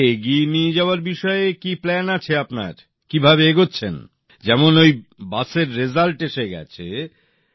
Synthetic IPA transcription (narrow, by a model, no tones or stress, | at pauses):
eɡienied͡ʑaoaɾbiʃɔeekiplɛnat͡ɕʰeapna̰ɾ | kibʱabeeɡotːɕʰen | d͡ʑɛmonojbaseɾːezalʈeʃeɡɛ̰t͡ɕʰḛ